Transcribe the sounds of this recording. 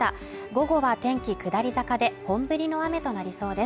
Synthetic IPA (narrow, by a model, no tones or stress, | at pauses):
t̪a | ɡo̞ɡo̞βat̪ẽ̞ŋkʲikɯ̟d̪aɾʲizakad̪e̞hõ̞mbɯ̟ɾʲino̞ame̞t̪o̞naɾʲiso̞ːd̪e̞s